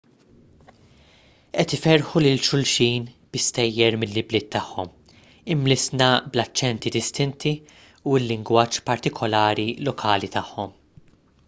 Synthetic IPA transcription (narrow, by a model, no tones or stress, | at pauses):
ʔɛt̪ɪfɛɾħulɪlʃʊlʃiːn | b̥ɪst̪ɛjːɛɾmɪlːɪblɪːt̪ːɐħːɔm | ɪmːlɪsnɐblɐt͡ʃːɛnt̪id̪ɪst̪ɪnt̪i | uɪlːɪŋɡwɐːt͡ʃːpɐɾt̪ɪkʰɔlɐːɾilɔkʰɐːlit̪ɐħːɔm